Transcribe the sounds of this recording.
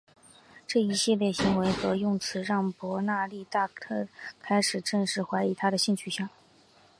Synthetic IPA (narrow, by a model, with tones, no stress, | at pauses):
ʈ͡ʂɤ˥˩i˧˥ɕi˥˧ljɛ˥˩ɕi˧˥ŋwe˧˥ɪxɤ˧˥jʊ˥˩ŋt͡sʰɹ̩˧˥ɻɑ˥˩ŋpwɔ˧˥na˥˧li˥˧t̪a˥˧tʰɤ˥˩kʰa˥ɪʂɻ̩˨˩ʈ͡ʂɤ˥˧ŋʂɻ̩˥˩xwa˧˥ɪi˧˥t̪ʰa˥d̪ə˨ɕi˥˧nt͡ɕʰy˥˩ɕjɑ˥˩ŋ